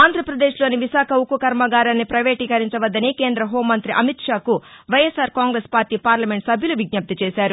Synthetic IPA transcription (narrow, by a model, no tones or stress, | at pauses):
aːnd̪ʱɾɐpɾɐd̪e̞ːʃlo̞ːniʋiʃaːkʰɐukukɐɾmɐɡaːɾɐnːipɾɐʋe̞ːʈiːkɐɾiɲt͡ʃɐʋɐd̪ːɐnike̞ːnd̪ɾɐɦoːmːɐnt̪ɾiʔɐmit̪ʂaːku | ʋɐjesaːɾkaːŋɡɾeːspaːɾʈiːpaːɾlɐme̞ɳʈsɐbʱjuluʋiɡ̚nɐp̚t̪ɐt͡ʃɛːsaːɾu